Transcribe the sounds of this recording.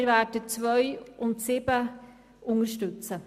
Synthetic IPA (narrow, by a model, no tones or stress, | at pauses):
ɾvæːɾdət͡sʋœʏʔʊntsɪbə | ʊŋəɾʃtʉt͡sə